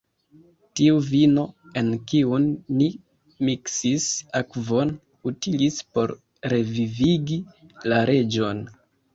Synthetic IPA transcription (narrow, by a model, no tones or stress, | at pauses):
tiuvino̞e̞nkiunːi | miksisakvo̞n | utilispo̞̰ɾ | ɾe̞viviɡilaɾe̞d͡ʒo̞n